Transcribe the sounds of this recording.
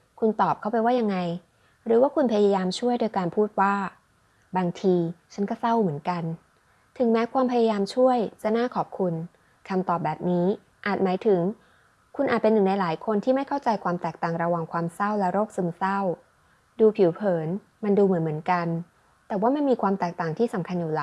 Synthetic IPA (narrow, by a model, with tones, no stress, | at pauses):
kʰu˧nt̪ɔː˨˩p̚kʰa˥˩wpa˧jwaː˥˩ja˧ŋːa˧j | ɾɯː˩˦waː˥˩kʰu˧npʰa˧ja˧ja˧jaː˧mt͡ɕʰu˥˩əjdoː˧jkaː˧npʰuː˥˩t̪̚waː˥˩ | baː˧ŋt̪ʰiː˧t͡ɕʰa˦˥nkɔː˥˩sa˥˩wmɯ˩˦ənka˧n | t̪ʰɯ˨˩˦ŋmɛː˦˥kʰwaː˧mpʰa˧ja˧jaː˧mt͡ɕʰu˥˩əjt͡ɕa˨˩naː˥˩kʰɔː˨˩p̚kʰu˧n | kʰa˧mt̪ɔː˨˩p̚bɛː˨˩p̚niː˦˥ | ʔaː˨˩t̪̚maː˩˦jt̪ʰɯ˨˩˦ŋ | kʰu˧nʔaː˨˩t̪̚pe˧nːɯ˨˩ŋna˧jlaː˩˦jkʰo˧nt̪ʰiː˥˩ma˥˩jkʰa˥˩wt͡ɕa˧jkʰwaː˧mt̪ɛː˨˩k̚t̪aː˨˩ŋɾa˧wa˧ŋkʰwaː˧msa˥˩wlɛ˦˥ɾoː˥˩k̚sɯ˧msa˥˩w | duː˧pʰi˨˩˦wpʰɤː˩˦n | ma˧nduː˧mɯ˩˦nmɯ˩˦ənka˧n | t̪ɛː˨˩waː˥˩ma˧˥nmiː˧kʰwaː˧mt̪ɛː˨˩k̚t̪aː˨˩ŋt̪ʰiː˥˩sa˩˦mkʰa˧njuː˨˩la˨˦